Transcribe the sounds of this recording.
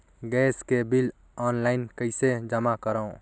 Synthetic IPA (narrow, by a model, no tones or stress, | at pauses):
ɡɛːskebil | ɔːnlaɪnkəɪsed͡ʒəmakəɾaõ